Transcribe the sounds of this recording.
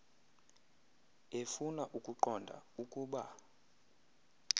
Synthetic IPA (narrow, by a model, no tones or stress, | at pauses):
efunaʔukʼuǃɔndʱa̰ukʼuːɓa̰